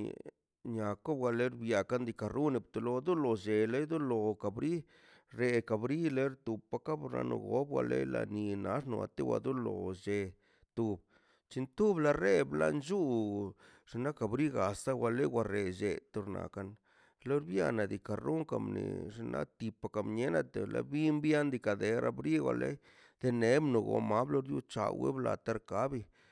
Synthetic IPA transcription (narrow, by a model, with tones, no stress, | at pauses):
ɲa˨ko˦bɡa˧le˦ɾbja˨ka˦nd̪i˧ka˨ɾu˦ni˧p̚t̪u˧lo˧a˦d̪u˦lo˨d͡ʒe˨le˦d̪u˦lo˧ka˨bɾi˦ | ɾe˧ka˨bɾi˦le˦ɾt̪u˨pa˧ka˦bna̰˧no̰˧ɡo˦b̚ɡa̰˧le˦la̰˧ni˧na˦ʂno˨a˨t̪e˦wa̰˧d̪u˦lo˨ʃe˧ | t̪u˧b | t͡ʃi˧nt̪u˦bla˧re˦bla̰˧nd͡ʒu˦ | ʐ̥i˧na˦ka˨bɾi˦ɡa˨sa˦wa˧le˦wʷa˧ɾe˨d͡ʒe˨t̪o˧ɾna̰˨ka˧n | lo˦ɾbja˦˧na˨d̪i˨ka˨ɾo˦ŋka˨mnḭ˨ʐi˧na˦t̪i˨pa˨˧ka˨mɲe˦na˦˧t̪e˨la˧bi˦mbja˦nd̪i˧ka˨d̪e˨ɾʔa˧bɾi˦wʷa̰˨lḛ˦j | d̪̥e˧ne˦bno˨ɡo̰˨ma˦blo˦ɾju˦t͡ʃa˨we˦bla˨t̪a˧ɾka˦bi˧